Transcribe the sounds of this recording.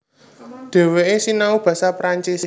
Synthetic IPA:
ɖ̪̥e̤weesinaub̥ä̤sapɾaɲt͡ʃis

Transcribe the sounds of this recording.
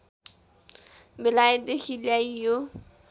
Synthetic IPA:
bɪlaɪdɪχilaijo

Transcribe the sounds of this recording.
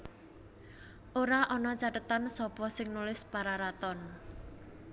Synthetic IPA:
ʔoɾaʔɔnɔt͡ʃaʈət̪ansɔpɔsɪŋnulɪspaɾaɾat̪ɔn

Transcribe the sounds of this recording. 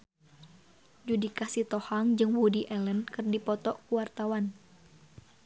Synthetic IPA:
d͡ʒudikasit̪ɔhaŋd͡ʒɨŋwudiʔɛlənkɨrdipɔt̪ɔkuwart̪awan

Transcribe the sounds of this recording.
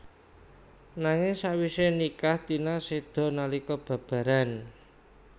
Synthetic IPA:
naŋɪŋsawisenikahd̪̥i̤nased̪̥ɔ̤nalikɔb̥ä̤b̥ä̤ɾan

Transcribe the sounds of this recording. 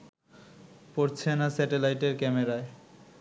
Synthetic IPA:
poɾt͡ɕʰenasɛʈelajʈeɾkɛmeɾae

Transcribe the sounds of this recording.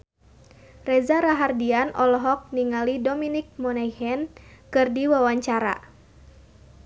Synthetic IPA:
rɛzaɾaɦardianʔɔlɔɦɔk̚niŋalidominik̚mɔnɛhɛnkɨrdiwawaɲt͡ʃaɾa̰

